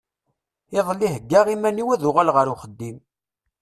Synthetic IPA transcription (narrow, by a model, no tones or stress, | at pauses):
ɪðˤlːiɦəɡːaʁimæniwæðʊʁalʁəɾuχəd̪ːim